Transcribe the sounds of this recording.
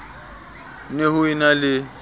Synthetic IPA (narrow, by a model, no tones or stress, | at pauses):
nehʊinalɪ